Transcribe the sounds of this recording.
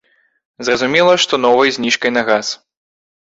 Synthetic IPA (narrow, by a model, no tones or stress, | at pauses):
zrɐzumʲɛlˠɐʂt̪ɔnɔvɐjzʲnʲiʂkɐjnɐɣas